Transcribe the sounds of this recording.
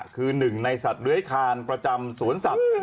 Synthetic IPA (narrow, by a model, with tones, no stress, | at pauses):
kʰɯː˧nɯ˨˩ŋna˧jsa˨˩t̪̚ɾɯ˦əjkʰaː˧npɾa˧t͡ɕa˧msuː˩˦ənsa˨˩